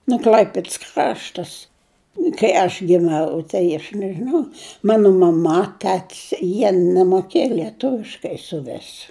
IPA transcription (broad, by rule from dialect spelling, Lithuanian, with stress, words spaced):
nʊ ˈklʲɐɪpʲɪts ˈkrɑːʃtɐs kɐɪ ɐʃ ʋʲiɛˈnɐ tɐɪ ɐʃ nʲɛʒʲɪˈnɐʊ ˈmɑːnʊ mɐˈmɐ ˈtʲæːtʲɪs jiɛ nʲɛmoːˈkʲeːjɛ lʲiɛˈtʊʋʲɪʃkɐɪ sʊˈʋʲɪs